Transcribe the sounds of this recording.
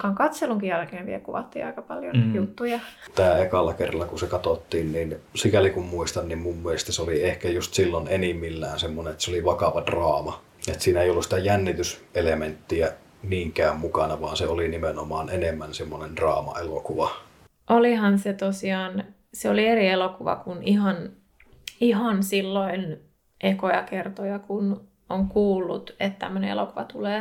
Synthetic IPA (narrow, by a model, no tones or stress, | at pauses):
kɑŋkɑt̪seluŋkijælkeːʋiḛlkuʋɑ̰t̪ːḭːɑ̰ikɑpɑljo̰jut̪ːujɑt̪æːekɑlːɑkerːˑɑlːɑkusekɑt̪ot̪ːiːnniːnsikælikummuist̪ɑnnimmumːielest̪æseoliehkæjust̪silːonenimːilːæːnsemːonenet̪seoliʋɑkɑʋɑdrɑːmɑ | et̪siːnæeˑijolːusĭ̥t̪æjænːit̪yselement̪ːiæ | niːŋkæːmmukɑnɑʋɑːnseolinimenomɑːnenemːænsemːonend̥rɑ̰ːmɑ̰elokuʋɑ | ʔolihɑnset̪osiɑːn | seolierielokuʋɑ̰kunihɑn | ihɑnsilːoin | ʔekojɑkert̪ojɑkun | oŋkuːlːṵt̪et̪t̪æ̰mːønḛḛlokuʋɑt̪uleː